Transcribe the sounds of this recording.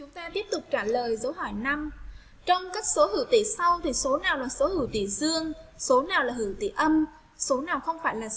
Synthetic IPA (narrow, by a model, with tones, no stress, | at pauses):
t͡ɕʊ˨˦ŋ͡mt̪aː˧t̪i˦˥əp̚t̪ʊ˨˩k͡p̚t͡ɕaː˧˩ləː˨˩jzə˨˦wɦɔ˧˩jna˧m | t͡ɕɔ˧wŋ͡mkaː˦˥k̚so˨˦hɨ̰˧˩wt̪i˧˩sa˧wt̪ʰi˨˩so˨˦naː˨˩wlaː˨˩so˨˦hɨ̰˧˩wt̪ḭ˧˩zɨ˧əŋso˨˦naː˨˩wlaː˨˩hɨ̰˧˩wt̪ḭ˧˩ʔə˧m | so˨˦naː˨˩wxə˧wŋ͡mfaː˧˩jlaː˨˩